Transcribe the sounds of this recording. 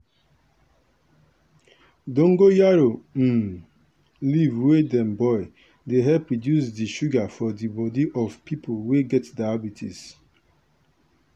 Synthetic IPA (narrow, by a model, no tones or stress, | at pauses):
dõŋ̩ɡojaɾon̩ | livwedɛ̃mbɔɪ | deɦɛpːɹɔdjusdiʃuɡafɔdibɔdiʔɔvpipʰolweɡɛtdaabitʰḭs